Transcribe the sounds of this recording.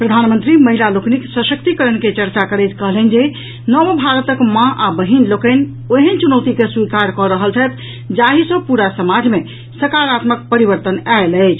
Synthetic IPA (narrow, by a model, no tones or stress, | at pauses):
pɾəd̪ʱanmənt̪ɾiməɦilalokniksəsəkt̪ikəɾənket͡ʃəɾt͡ʃakəɾəjt̪ʰkəɦlənd͡ʒe | nɔmbʱaɾət̪əkmãʔabəɦinlokəɪn | oɦənt͡ʃunəwt̪ikeswikaɾkɔɾəɦəlt͡ʃʰəjt̪ | d͡ʒaɦisəbpuɾasəmad͡ʒme | səɾkaɾat̪mək̚pəɾibəɾt̪ənaeləɪt͡ʃʰ